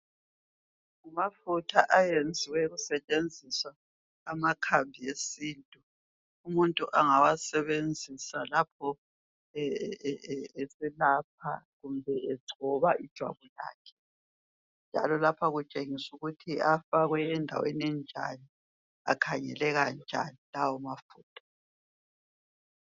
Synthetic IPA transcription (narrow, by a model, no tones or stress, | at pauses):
ŋumafutʰaʔajend͡zʱiwɛɣusɛt͡ʃʼend͡zʱiswaː | makʰambʱiesiːntʼu | umuntʼuʔaŋawasɛβend͡zʱisalapʰɔ | esilap̚ʰa̰ɣumbʱɛɛɡ͡ǀʱɔβaʔid̥ʒ̥ʱwa̰βula̰ːkʰɛ̥ | nd͡ʒʱa̰lɔlapʰaɣut͡ʃʼeŋisuɣutʰiafaɣwɛːndʱa̰wḛniɛnd͡ʒʱa̰ni | a̰kʰaɲɛ̰lɛɣand͡ʒʱa̰nilawɔmafuːtʰḁ